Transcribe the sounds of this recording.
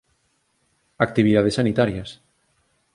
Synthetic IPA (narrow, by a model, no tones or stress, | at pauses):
ak̚t̪iβiðað̞esːanit̪aɾjas